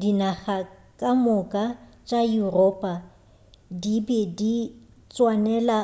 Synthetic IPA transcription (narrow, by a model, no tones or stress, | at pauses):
dinaɣa | kʼamʊkʼat͡ʃʼajurɔːpʼa | dibedi | t͡sʼwanɛla